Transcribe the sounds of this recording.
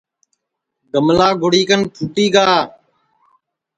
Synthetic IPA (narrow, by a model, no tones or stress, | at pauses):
ɡəmlaːɡʱʊɽiːkənpʰuːʈiːɡaː